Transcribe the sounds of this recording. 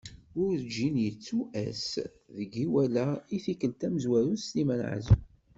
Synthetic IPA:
ʊɾd͡ʒːinjət͡sːuʔæ̰s | ðəɡiwælæiθikəlt̪æməzwæɾuslimænʕa̰zu

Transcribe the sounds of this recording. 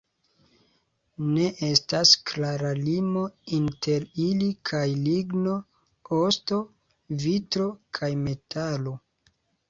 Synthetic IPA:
ne̞ʔe̞stasklaɾalimo̞inte̞ɾilikʰajliɡno | osto̞ | vitɾo̞kʰajme̞tʰalo̞

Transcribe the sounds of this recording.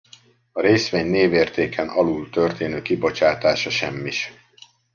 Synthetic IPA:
ɒɾeːsʋeːɲneːveːrt̪eːkʰɛnʔɒlult̪ø̞rt̪eːnøːkibo̞t͡ʃaːt̪aːʃɒʃɛmːiʃ

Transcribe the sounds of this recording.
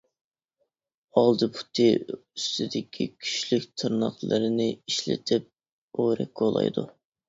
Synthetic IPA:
ɑlˠd̪ɨpʰu̥t̪ʰɨyst̪ʰɪd̪ɪkʲʰikʲʰy̥ʃlykʲt̪ʰɨɾnɑ̰χlˠɨɾɨnɪiʃlɪ̰t̪ʰɪp̚ | oɾɛ̰kʲɡolˠɑ̰jd̪ṵ

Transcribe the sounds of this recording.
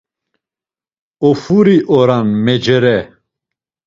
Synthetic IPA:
ɔfuɾiʔɔɾanmɛd͡ʒɛɾɛ

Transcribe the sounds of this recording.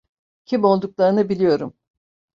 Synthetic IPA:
cʰimo̞lˠd̪uklˠaɾɯnɯbilʲijo̞ɾum

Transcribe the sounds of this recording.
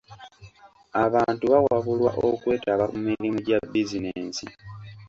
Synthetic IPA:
aβaːntuβawaβulwaʔokwe̞ːtaβamumiɾimoɟabizineːsi

